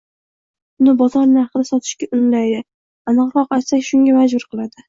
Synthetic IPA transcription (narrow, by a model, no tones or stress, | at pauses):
ʊnɪbɒzɒɾnɪhɑqɨd̪asɒt̪ʰɪ̥ʃkʲaʔʊnlajd̪ɪ | anɨqɾɒqajt̪sakʲʃʊŋɡʲamad͡ʒbʊɾqʰɨlˠad̪ɪ